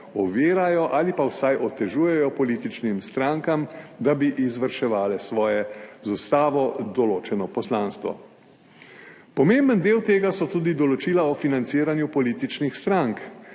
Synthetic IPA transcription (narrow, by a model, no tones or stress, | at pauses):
ɔʋeːɾajɔʔaːlipawsajʔɔt̪ɛʒuːjɛjɔpɔliːt̪it͡ʃnimst̪ɾaŋkamd̪abiʔizʋəɾʃɛʋaːlɛsʋɔːjɛzust̪aːʋɔd̪ɔloːt͡ʃɛnɔpɔslaːnst̪ʋɔ̰ | pɔmembənd̪eːwt̪eːɡasɔt̪uːd̪id̪ɔlɔt͡ʃilaɔfinant̪siːɾanjupɔliːt̪it͡ʃnixst̪ɾaŋk